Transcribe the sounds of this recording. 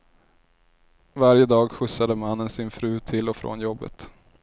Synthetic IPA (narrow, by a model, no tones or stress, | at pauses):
vaɾjəd̪ɑːɡɧɵsːad̪əmanːənsɪnfɾʉ̟ːt̪ʰɪlɔfɾo̰ːnjɔbːə̰t̪